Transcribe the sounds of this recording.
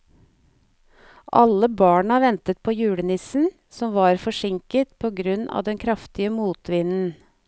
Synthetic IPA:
ʔɑ̰lːəbɑːɳɑʋɛnt̪ət̪̚pʰoːjʉːɽənɪsn̩ | sɔmʋɑːɾfɔʂɪŋkət̪pʰoːɡɾʉnɑ̰ːʋd̪ɛnkʰɾɑft̪ɪəmuːt̪ʰʋɪnn̩

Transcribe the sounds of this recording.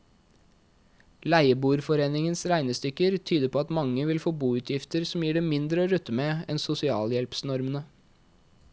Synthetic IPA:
læɪəbuːɾfɔɾeːnɪŋənsɾæɪnəst̪ʏkːəɾt̪ʰyːd̪əpʰoːɑt̪mɑŋːəʋɪlfoːbuːʉːt̪ʰjɪft̪əɾsɔm̩jiːɖeːmɪnd̪ɾəoːɾʉt̪ːəmeːɛ̰nsʊsɪɑːljɛlpsnɔɾmənə

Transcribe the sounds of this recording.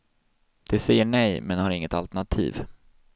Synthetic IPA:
d̪̥ɛsɛjːəɳɛjmɛnhaɾɪŋːət̪alt̪ɛɳat̪ʰḭːv

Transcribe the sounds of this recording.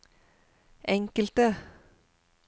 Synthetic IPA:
ʔɛŋkəlt̪ə

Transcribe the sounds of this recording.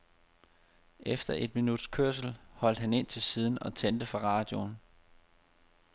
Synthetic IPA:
ʔefd̥ɐʔe̝d̥minud̥skʰøɐ̰s̬l̩hɒ̽l̰d̥hæne̝n̰t͡sʰe̝lsiːð̞ˠn̩ɒ̽t͡sʰend̥əfʁɑ̈ʁɑ̈ːd̥jo̝n

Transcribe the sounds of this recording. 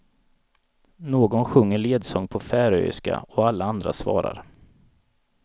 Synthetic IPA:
noːɡɔnɧɵŋːəɭeːd̪sɔŋpʰɔfæːɾœ̰jɪska̰ɔalːaand̪ɾa̰svɑ̰ːɾa̰ɾ

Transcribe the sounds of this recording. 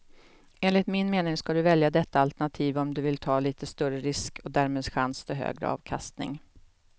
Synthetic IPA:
eːnlɪt̪mɪnmeːnɪŋskad̪ɵvɛljad̪ɛt̪ːaalt̪ɛɳat̪ʰiːvɔmd̪ɵvɪlt̪ʰɑːliːt̪əst̪ɵɾəɾɪskʰɔd̪æːɾmeːd̪ɧanst̪ɪɦø̰ːɡɾə̰ɑ̰ːvkʰa̰st̪nɪ̰ŋ

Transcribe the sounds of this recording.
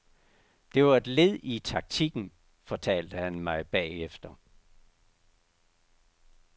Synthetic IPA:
d̥e̝ʋɑ̈e̝d̥le̝ð̰ˠit͡sʰɑ̈ɡ̥̚t͡sʰiɡ̥n̩ | fɒ̽t͡sʰɛ̰ːld̥əhænmɑ̈ɪb̥ɛ̰ːefd̥ɐ

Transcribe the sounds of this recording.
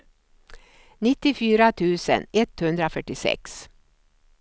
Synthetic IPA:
nɪt̪ːɪfyːɾat̪ʰʉːsə̰nɛt̪hɵnd̪ɾaofœʈːɪsɛ̰ks

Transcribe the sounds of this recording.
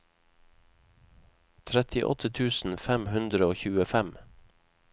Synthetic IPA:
t̪ʰɾɛt̪ʰɪʔɔ̰t̪ʰət̪ʰʉːsn̩fæmhʉnd̪ɾəoːçʉːəfɛm

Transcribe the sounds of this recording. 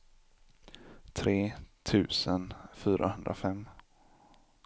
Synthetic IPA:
t̪ʰɾeːt̪ʰʉ̟ːsənfyːɾʔahɵnd̪ɾa̰fɛmː

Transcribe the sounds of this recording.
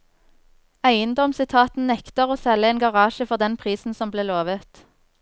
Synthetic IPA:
æɪənd̪ɔmsɪt̪ʰɑːt̪n̩nɛkt̪əʁoːsɛlːəeːnɡɑʁɑːʃəfɔʁd̪ɛnpʰʁiːsn̩sɔmbleːloːʋət̪

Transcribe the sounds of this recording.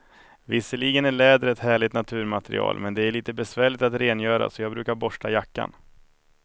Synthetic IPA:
vɪsːəɭiːɡənæɭɛːd̪əɾɛt̪hæːɭɪt̪nat̪ʰʉ̟ːɾmat̪ɛɾɪ̰ɑ̰ːlmɛnd̪ɛæɭiːt̪əbɛsvæːɭɪt̪at̪ɾeːnjœːɾa̰sɔjɑːɡbɾʉ̟ːkaɾbɔʂʈajakːa̰n

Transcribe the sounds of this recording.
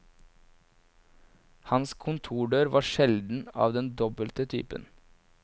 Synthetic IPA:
hɑnskʰʊnt̪ʰuːɖøːɾʋʔɑːʃɛld̪n̩ɑ̰ːʋd̪ɛnd̪ɔbəlt̪ət̪ʰy̰ːpə̰n

